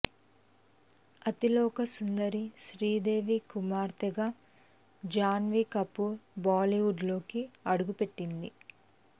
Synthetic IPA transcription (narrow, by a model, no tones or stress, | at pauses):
ɐt̪ilɔːkɐsund̪ɐɾiʃɾiːd̪e̞ːʋikumaːɾt̪ɛɡa | d͡ʒaːnʋikɐpːubaːliʋuɖlo̞ːkiɐɽuɡupe̞ʈːind̪i